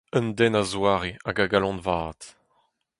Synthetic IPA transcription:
ə̃nd̪ɛnazwaːʁeaɡaɡalɔ̃nvaːt̪

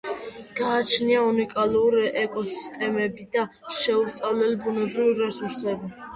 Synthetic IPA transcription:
ɡ̥aːt͡ʃʰniaunikʼaluɾiʔɛkʼɔsi̥st̪ʼɛmɛbid̪aʃɛuɾt̪sʼavlɛlibunɛbɾiviɾɛsuɾsɛbi

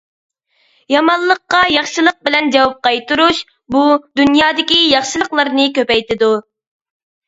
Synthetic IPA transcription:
jɑmɑlˠːəqːɑjɑχʃɨlˠəq̚bɪlɛnd͡ʒɑwɑp̚qɑjt̪uɾuʃ | bud̪unjɑːd̪ɪkʲijɑχʃɨlˠəqlˠəɾnɨkʲøpɛjt̪ɪd̪u

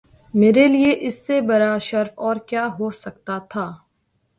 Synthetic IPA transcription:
meːɾelieʔɪsːebɐɾaʃɐɾfɔːɾkjaːɦosɐk̚t̪at̪ʰaː

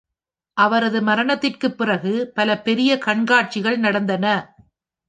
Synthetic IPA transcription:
ʔɐʋɐɾɐðɯmɐɾɐɳɐt̪ːɪrkɯpːɪrɐɣɯpɐlɐpɛɾɪjɐkɐɳɡaːʈ̚t͡ʃɪɣɐɭnɐɽɐnd̪ɐnɐ

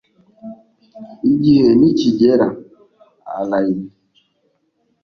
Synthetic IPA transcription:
id͡ʒiɦenit͡ʃid͡ʒeɾa | a̰lai

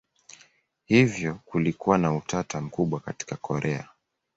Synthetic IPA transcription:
hivjɔkulikuwanautʰatam̩kuɓwakati̥kakʰɔɾʔɛa̰

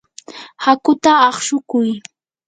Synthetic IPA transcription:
hakʊt̪aɑχʃʊkʊj

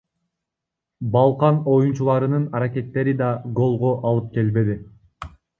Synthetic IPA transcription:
bɑlˠqɑno̞junt͡ʃulˠɑɾɯnɯnɑɾake̞t̪ːe̞ɾid̪ɑɡo̞lˠʁoʔɑlˠɯp̚ke̞lbe̞d̪i

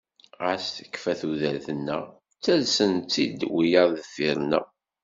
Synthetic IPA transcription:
æsθə̥kːfæθuðæɾθənːæ̰ | t͡sːælsənt͡s̪ːḭd̪wijəɾˤðəfiɾnæ̰

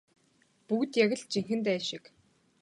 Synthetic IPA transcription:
puɣt̪jaɣʲɘ̆ɮt͡ɕiŋxɘ̆nt̪æːʃɪ̆k

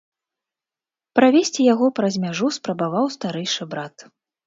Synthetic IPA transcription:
pɾavʲesʲt͡sʲijaɣɔpɾɐzʲmʲaʐuspɾɐbavawst̪aɾɛjʂɨbɾat̪

